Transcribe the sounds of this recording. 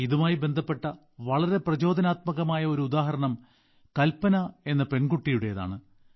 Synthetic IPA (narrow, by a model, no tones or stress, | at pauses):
iðumaːjibe̞nd̪ʱɐpːe̞ʈːɐ | ʋɐɭɐɾe̞prɐt͡ɕo̞ːd̪ɐnaːt̪̚mɐɣɐmaːjɐo̞ɾuud̪aːɦɐɾɐɳɐm | kɐlpːɐnɐe̞nːɐpe̞nɡuʈːijuɽe̞jɐða̰ːɳɨ